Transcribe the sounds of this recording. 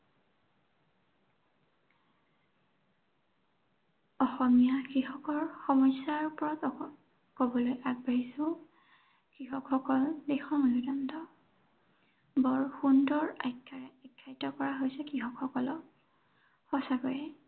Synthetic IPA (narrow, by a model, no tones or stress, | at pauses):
ɔxɔmijakɹixɔkɔɹxɔmɔjsːaɹpɔɹat | kobɔlojaɡ̚baɹisʊ̃ | kɹixɔkxɔkɔldexɔnɔludandɔ | bɔɹxundɔɹajkʰːaɛakʰːajtɔkɔɹaɦojsɛkɹixɔkxɔkɔlɔ | xɔsakɔɹɛ